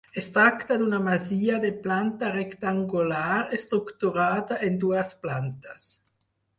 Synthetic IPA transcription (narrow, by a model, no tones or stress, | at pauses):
est̪ɾakt̪ad̪unamaziːad̪eplant̪arekt̪aŋɡulaːɾest̪ɾukt̪uɾaːd̪aʔend̪uːasplant̪as